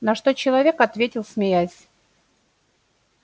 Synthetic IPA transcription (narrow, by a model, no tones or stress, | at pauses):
nɐʂt̪o̞t͡ɕɪlˠɐvʲekɐt̪vʲetʲɪlˠsmʲɪjæsʲ